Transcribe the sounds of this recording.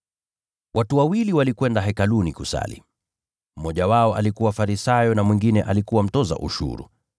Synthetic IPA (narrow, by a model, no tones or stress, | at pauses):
wʔatuwawiliwalikwɛndaɦɛkalunikusa̰lḭ | m̩mɔʄawaɔalikuwafaɾisajɔnamwiŋɡinɛʔalikuwam̩tɔza̰ʔṵʃṵɾṵ